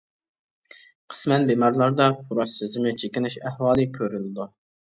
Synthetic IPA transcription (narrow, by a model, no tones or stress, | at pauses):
qʰə̥smɛnbemɑɾlˠɑɾd̪ɑpʰuɾɑsɪzmɪt͡ʃʰekʲinɪʃæhwɑːlˠɨkʲʰøɾylɪd̪u